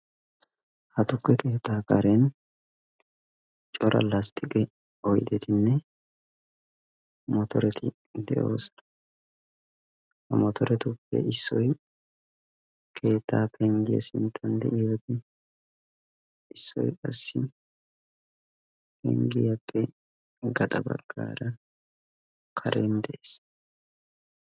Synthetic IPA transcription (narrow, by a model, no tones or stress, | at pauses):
hɐt̪ʊkːɛke̞ːt̪ːaːka̰ːɾɛn | t͡ʃʼɔɾʔɐ̰last̪ʼːɪkʼɛ | ɔjd̪ɛt̪ɪnːɛ | mɔt̪ɔɾɛt̪ʰɪ | d̪ɛ̰ʔo̞̰ːsɔ̥nɐ | hɐmɔt̪ɔɾɛt̪ʊpːɛ̰ʔɪsːɔj | kʰe̞ːt̪ʰːaːpɛŋɡɪjɐ̰sɪnt̪ʰːɐnd̪ɛ̰ʔɪjɔt̪ɪ | ɪsːɔ̰jkʼɐsːɪ | pɛ̰ŋɡɪjɐpʼːɛ | ɡɐt̪ʼɐbɐ̰ɡ̥ːa̰ːɾɐ | kʰɐɾeːnd̪ɛʔe̥ːs